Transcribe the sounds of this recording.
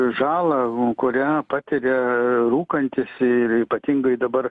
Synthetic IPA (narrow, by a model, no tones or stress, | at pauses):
ʒɑːlˠɐkʊɾʲæːpɑːt̪ʲɪɾʲɛruːkɐnʲt̪ʲɪsɪriːpɐt̪ʲɪŋɡɐɪd̪ɐbɐr